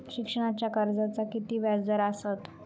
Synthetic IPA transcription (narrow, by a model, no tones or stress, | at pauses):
ɕikʂəɽ̃at͡ɕjakəɾd͡zat͡sakit̪iːʋjad͡zd̪əɾasət̪